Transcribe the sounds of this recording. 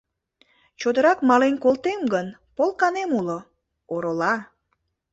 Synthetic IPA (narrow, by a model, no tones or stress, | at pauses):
t͡ɕod̪əɾɑkmɑlenkolt̪emɡənpolˠkɑnemulo | oɾolɑ